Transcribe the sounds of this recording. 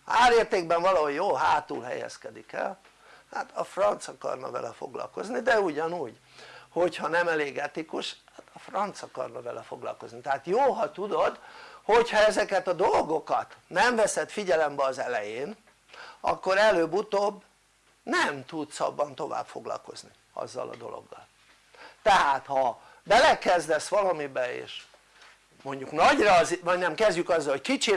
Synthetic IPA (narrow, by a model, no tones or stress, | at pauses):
aːɾeːrt̪eːɡbɛɱvɒlɒɦo̞jjoːɦaːt̪ṵlɦɛ̰jɛ̰skɛd̪ikɛ̰l | haːt̪ɒfrɒnt̪sɒkɒ̰rnɒ̰vɛ̰lɛfo̞̰ɡlɒ̰lko̞znid̪ɛuɟɒnuːɟ | ho̞chɒnɛmɛleːɡɛt̪ikuʃhat̪ɒfrɒnt̪sɒkɒ̰rnɒvɛlɛfo̞ɡlɒ̰lko̞znit̪ɛɦaːt̪joːɦɒt̪ud̪o̞d̪ho̞chɒɛzɛkɛt̪ɒd̪o̞lɡo̞kɒt̪nɛɱvɛsɛt̪fiɟɛlɛmbɛɒzɛlɛjeːn | ɒ̰kːo̞ɾɛløːbut̪obː | nɛmt̪ud̪sɒ̰bːɒnt̪o̞va̰ːbfo̞ɡlɒ̰lko̞zni | ɒ̰zːɒ̰lɒ̰d̪o̞̰lo̰ɡːɒ̰l | t̪ɛɦaːt̪hɒ | bɛlɛkɛzd̪ɛsʋɒlɒmibɛḛːʃ | mo̞ɲɟuknɒɟrɒzvɒɟnɛmkɛzɟykɒzːɒlhockit͡ʃi